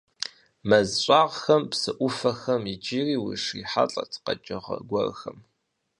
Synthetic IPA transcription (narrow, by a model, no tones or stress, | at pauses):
mɐzɕʷʼaːʁxɐmpsɨʔʷʊfɐxɐmid͡ʒiːriːwḭʂiːħa̰ɬʼɐ̰tʰqɐ̰d͡ʒʼɐʁɐ̰ɡʷɐrxɐm